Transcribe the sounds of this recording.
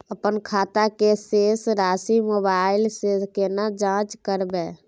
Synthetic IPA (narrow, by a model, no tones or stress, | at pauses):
əpənkʰaːt̪akeseːsɾaːsimoːbaːɪlseskenad͡ʒãːt͡ʃkəɾbe